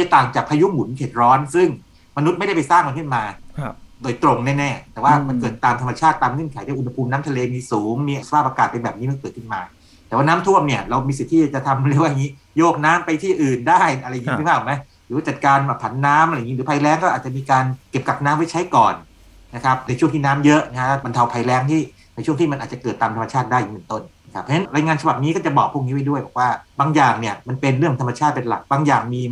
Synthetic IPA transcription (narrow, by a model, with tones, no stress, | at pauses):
a˥˩t̪aː˨˩ŋt͡ɕaː˨˩k̚pʰa˧ju˦˥mu˨˩˦nkʰe˨˩t̪̚ɾɔː˦˥nsɯ˥˩ŋ | ma˧nu˦˥t̪̚ma˩da˥˩pa˧jsaː˥˩ŋma˧nkʰɯ˥˩nmaː˧doː˧˩jt̪ɾo˧ŋnɛː˥˩nɛː˥˩t̪ɛː˨˩waː˥˩ma˧nkɤː˨˩t̪̚t̪aː˧mt̪ʰa˧ma˧t͡ɕʰaː˥˩t̪ːaː˧mŋɤ˥˩˨nkʰa˩˦j̪aː˧˩ʔu˧nha˧pʰuː˧mnaː˦˥mt̪ʰa˧leː˧miː˧suː˩˦ŋmiː˧ʔa˩sḁ˧pʰaː˥˩p̚a˧kaː˨˩t̪̚e˧nbɛː˨˩p̚niː˦˥ma˧˥nkɤː˨˩t̪̚kʰɯ˥˩nmaː˧ | t̪ɛː˨˩waː˥˩naː˦˥mt̪ʰu˥˩əmni˥˩ɐɾa˧wmiː˧si˨˩t̪ʰːiː˥˩a˨˩t͡ɕa˨˩t̪ʰa˧m˧lwaː˥˩˨ŋiː˦˥ | joː˥˩k̚naː˦˥mpa˧jt̪ʰiː˥˩ʔɯː˨˩ndaː˥˩ja˧ɾa˧jːŋːʰ˦˥˩pʰaː˥˩˨ma˦˥j | ɾɯː˨˦waː˥˩t͡ɕa˨t̪̚kaː˧nbɛ˨˩pʰa˩˦nːaː˦˥mʔjŋi˦˥ɾɯː˩˦pʰa˧jlɛː˦˥ŋkɔ˥ʔaː˨˩t̪t͡ɕa˨ʔmiː˧kaː˧nke˨˩p̚ka˨˩p̚naː˦˥mːwa˥˩t͡ɕʰa˦˥jkɔː˨˩n | na˦˥kʰa˦˥p̚na˧jt͡ɕʰu˥˩əŋt̪ʰiː˥˩naː˦˥mjɤ˦˥ʔna˦˥kʰa˥t̪ʰa˥˩ba˧nt̪ʰa˧wpʰa˧jlɛː˦˥ŋt̪ʰiː˥˩ | na˧jt͡ɕʰu˥˩əŋt̪ʰiː˥˩ma˧nʔaː˨˩t̚t͡ɕa˨˩kɤː˨˩t̪ːaː˧mt̪ʰa˧ma˧t͡ɕʰaː˥˩t̪̚daː˥˩jʔi˨˩mː˨˩˨nt̪o˥˩n˦˥kʰa˦˥p̚ʰːa˧na˦˥nɾaː˧jŋaː˧nt͡ɕʰa˧ba˨˩p̚niː˦˥kɔ˥˩t͡ɕa˨˩bɔː˨˩k̚pʰu˥˩əŋi˦˥wa˥˩jdu˥˩əjbɛː˨˩k̚waː˥˩baː˧ŋjaː˨˩ŋni˥˩ɐma˧npe˧nɾɯ˥˩əŋt̪ʰa˧mːa˧t͡ɕʰaː˥˩t̪̚pe˧nla̰˨˩k̚baː˧ŋjaː˨˩ŋmiː˧